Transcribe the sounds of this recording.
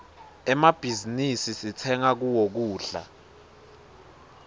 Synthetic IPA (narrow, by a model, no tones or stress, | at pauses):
ɛmab̥ʱizinisisit͡sʰɛŋak̬uwok̬uːɬa̰